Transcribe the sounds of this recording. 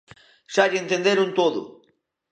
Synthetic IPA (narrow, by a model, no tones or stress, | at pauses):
ʃaʎẽnt̪end̪eɾunt̪oðʊ̰